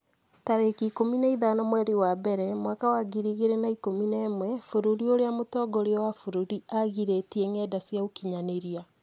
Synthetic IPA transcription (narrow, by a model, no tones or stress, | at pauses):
taɾekikominaiðanɔmwɛɾiwabɛɾɛmwakawaɡiɾiɣeɾenaikominaemwɛfoɾuɾioɾeamotɔːɡɔɾeɔwafuɾuɾiaɣiɾetieŋɛːdasjaukiɲaneɾia